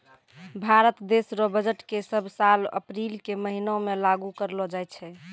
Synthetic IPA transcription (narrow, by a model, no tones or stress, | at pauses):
bʱaɾət̪d̪esɾɔbəd͡ʒəʈkesəbʱsalə̰pɾilkeməɦinomelaɡukəɾlɔd͡ʒajt̪t͡ʃʰɛ